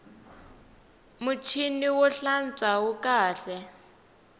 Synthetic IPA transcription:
mut͡ʃʰiniwɔɬant͡sʼaɦukaːɬɛ

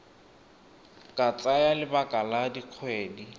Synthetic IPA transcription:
kʼat͡sʼajalɪbakʼaladiq͡χʰweːdi

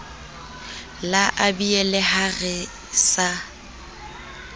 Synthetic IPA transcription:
laʔabiɛlɛhaɣɪ | sa

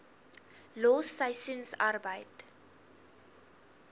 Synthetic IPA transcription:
lɔːsɐjsənsa̰rbəjt

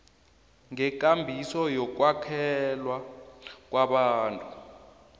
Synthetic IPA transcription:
ŋɛk̬ʼambʱisɔjɔk̬ʼwakʰɛlwak̬ʼwaɓaːntʼu

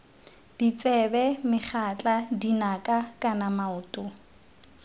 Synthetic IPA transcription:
d̥it͡sʼɛbɛmɪχʰat͡ɬʼadinakʼakʼanamaʊːtʼʊ

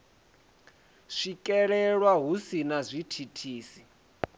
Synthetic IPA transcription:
ʂikʼɛɺɛɺwaɦusinazʷitʰitʰiːsi

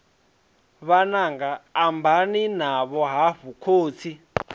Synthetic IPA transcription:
βanaŋɡaːmbʱaninaβɔɦaɸukʰoːt͡sʰi

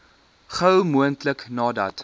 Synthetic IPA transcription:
χəwmuəntləknɑːdɐ̰t

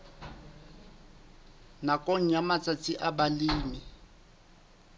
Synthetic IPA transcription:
nakʼoŋ̩jamat͡sʼat͡sʼɪʔabaliːmi

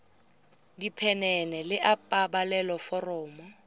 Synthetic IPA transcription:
dipʰɛnɛnɛlɪʔapʼabalɛlɔfɔrɔːmɔ

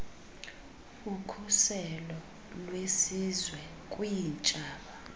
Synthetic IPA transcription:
ukʰusɛlɔ | lwesizwɛ | kʼwijint͡ʃʼaːɓa

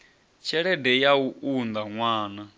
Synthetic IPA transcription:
t͡ʃʰɛɺɛdɛjauʔund̪aŋwaːna

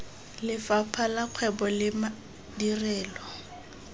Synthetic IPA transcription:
lɪfapʰalaq͡χʰwɛbɔlɪma | dirɛːlɔ

